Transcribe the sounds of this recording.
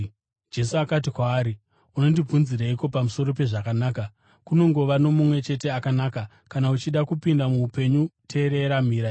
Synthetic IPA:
d͡ʒe̞suakat̬ikwaːɾi | uno̞ndib͡vunziɾaiko̞pamuso̞ɾo̞p̬e̞ʐakanaːka | kuno̞ŋɡo̞ʋano̞mumwe̞t͡ʃe̞te̞akanaːka | kanaut͡ʃiɗakupindamuupe̞ɲutʰe̞ɾe̞ɾam̤iːɾa

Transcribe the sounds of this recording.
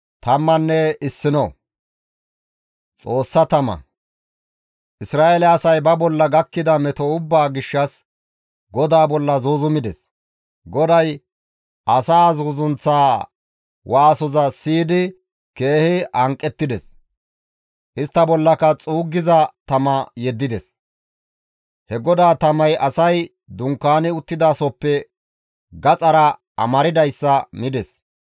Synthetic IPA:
t̪ɐmːɐnːɛɪsːɪnɔ | t͡sʼo̞ːsːɐt̪ɐmɐ̰ | ʔɪsɾaːʔelɛɐsɐjbɐbɔlːɐɡɐkːɪd̪ɐmɛt̪ɔʊbːaːɡɪʃːɐs | ɡɔd̪aːbɔlːɐzoːzʊmɪd̪ɛs | ɡɔd̪ɐj | ʔɐsaːzozʊnt͡sːaː | wʔaːsɔzɐsiːd̪ɪ | ke̞ːhɪɐŋkʼːɛt̪ːɪd̪ɛs | ʔɪst̪ːɐbɔlːɐkɐt͡sʼuːɡːɪzɐt̪ɐmɐjɛd̪ːɪd̪ɛs | hɛɡɔd̪aːt̪ɐmɐjʔɐsɐj | d̪ʊŋkːaːnɪʊt̪ːɪd̪aːsɔpːɛ | ɡɐt͡sʼɐɾɐ | ɐ̰mɐɾɪd̪ɐjsːɐmɪd̪ɛs

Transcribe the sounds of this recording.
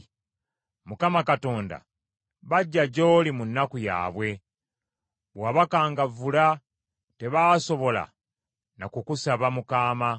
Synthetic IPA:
mukamakato̞ːnda̰ | βaɟːaɟoːlimunːakuja̰ːβwe̞ | βwaːβakaːŋɡavula | te̞βaso̞βo̞la̰ | nakukusaβamukaːma

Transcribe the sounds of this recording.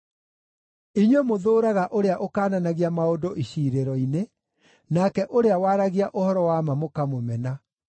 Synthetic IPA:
iɲwemoðoːɾaɣaʔoɾeaʔokaːnanaɣiamaodoʔiɕiːɾeɾɔine | nakɛʔoɾeawaːɾaɣiaʔohɔɾɔwamamokamomɛna

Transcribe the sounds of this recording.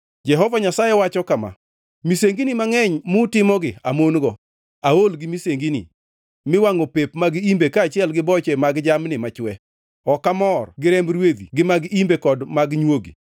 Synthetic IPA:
d͡ʒɛɦɔvaɲasajɛwat͡ʃɔkama̰ | miseŋɡinimaŋɛɲmʊtɪmɔɡɪamonɡɔ | aolɡɪmiseŋɡinḭ | mɪwaŋopepmaɡimbekaːt͡ʃɪɛlɡɪbɔt͡ʃɛmaɡd͡ʒamnɪmat͡ʃwɛ | ɔkamɔrɡɪɾɛmbɾwed̪ḭɡɪmaɡimbekɔdmaɡɲwoɡḭ

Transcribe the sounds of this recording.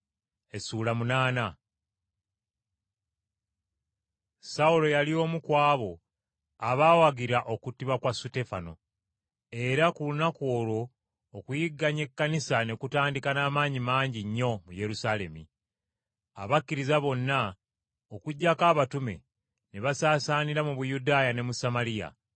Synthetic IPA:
e̞suːlamunaːna | saulo̞jalio̞ːmukwaːβo̞ | aβaːwaɡiɾaʔo̞kutiβakwasute̞fano̞̰ | e̞ɾakulunako̞ːlo̞ː | kujiɡːaɲe̞kːanisane̞kutaːndikanaːmaːɲimaːɲɟiɲːo̞muje̞ɾusale̞̰mḭ | a̰βakːiɾizaβo̞nːa | okuɟːakaːβatume̞̰ | neβasaːsaːniɾamuβujudaːjane̞musamalija̰

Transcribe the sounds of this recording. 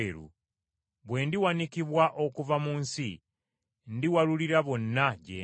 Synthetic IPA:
ɾṵ | βwe̞ːndiwanikiβwaʔo̞kuvamuːnsi | ndiwaluliɾaβo̞nːaɟḛː

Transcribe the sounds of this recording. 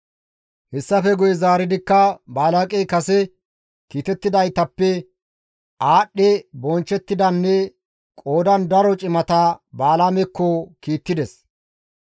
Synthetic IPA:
hɛsːɐfɛɡʊjɛzaːɾɪd̪ɪkːɐbaːlakʼɛjkɐsɛ | kiːt̪ɛt̪ːɪd̪ɐjt̪ɐpːɛ | aːɗːɛbɔnt͡ʃːɛt̪ːɪd̪ɐnːɛ | kʼo̞ːd̪ɐnd̪ɐɾɔt͡ʃʼɪmɐt̪ɐbaːlamɛkːɔkiːt̪ːɪd̪ɛs

